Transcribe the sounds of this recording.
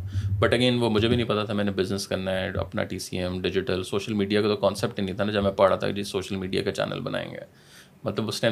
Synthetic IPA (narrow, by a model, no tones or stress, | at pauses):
bɐʈɐɡeːnʋomʊd͡ʒʱebʱinɐ̃ɦĩpɐt̪at̪ʰamɛ̃ːnebɪznəskɐɾnaɦɛɐ̰pna̰ʈiːsiɛmɖɪd͡ʒɪʈəlsoːʃəlmiːɖijakat̪okɔːnsep̚ʈinĩt̪ʰanad͡ʒɐmɛ̃pɐɽat̪ʰa̰kd͡ʒisoːʃəlmiːɖija̰kat͡ʃɛ̰ːnʔə̰lbɐnʔa̰ːḛ̃ːŋɡḛː | mɐt̪ləbʊsne